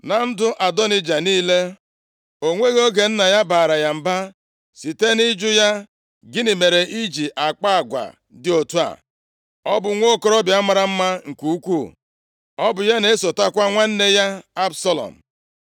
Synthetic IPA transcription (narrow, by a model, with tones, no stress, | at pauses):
na˨n̩˦dʊ˦ʔa˨dɔ˦ni˦d͡ʒa˨niː˦le˦ | o˨ŋʷe˦ɣo˦ɡe˨n̩˦na˨ja˦baː˨ɾa˨ja˨m̩˨ba˦ | si˨te˦ni˦d͡ʒʊ˦ja˦ | ɡɪ˦nɪ˨me˨ɾe˨ʔi˦d͡ʒi˨ʔa˨k͡pa˦a˨ɡʷa̰˨ | dɪ˦o˨tu˦a̰˨ | ɔ˦bʊ˨ŋʷo˦˨ko˦ɾɔ˦bja˦mʷa˨ɾa˨m̩˦ma˦ŋ̩˨ku˦kʷu˦˨ | ɔ˦bʊ˨ja˦ne˦e˦so˨ta˦kʷa˦ŋʷa˦n̩˦ne˦ja˦a˦bsa˦lɔ̰˨m̩˨